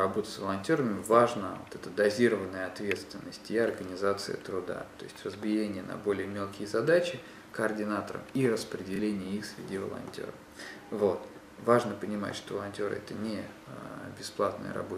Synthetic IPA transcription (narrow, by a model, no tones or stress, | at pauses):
ɐbo̞t̪ə̥svəlˠɐnʲtʲo̞ɾəmʲɪvaʐnəvot̪ɛt̪əd̪ɐzʲiɾəvənːəjəɐt̪vʲe̞t̪st̪vʲɪnːəsʲtʲiɐrɡənʲɪzat̪sɨ̰jə̰t̪ɾʊd̪a̰t̪o̞ɪsʲtʲrəzbʲɪjenʲɪjənɐ̰bo̞lʲɪjəmʲe̞lˠkʲɪjəzɐd̪at͡ɕɪ | kəɐrdʲɪnat̪əɾə̰mirəspɾʲɪdʲɪlʲenʲɪjəixsvʲɪ̰dʲivə̰lˠɐ̰nʲtʲo̞̰ɾə̰f | vo̞t̪ | vaʐnəpənʲɪma̰tʲʂt̪ovəlˠɐnʲtʲo̞ɾɨ̰ɛt̪ənʲɪ | bʲɪsplˠat̪nə̰jə̰ɾɐ̰bo